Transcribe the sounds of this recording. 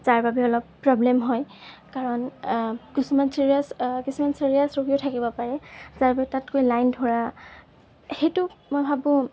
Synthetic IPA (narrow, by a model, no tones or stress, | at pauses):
z̥aɹbabɛɔlɔpːɹɔblɛmɦɔjkaɹɔnkisumansiɹiaskisumansiɹiasɹoɡiɔtʰakibɔpaɹɛzaɹbabɛtatkojlajndʱoɹa | xejtʊmojbʱabʊ̃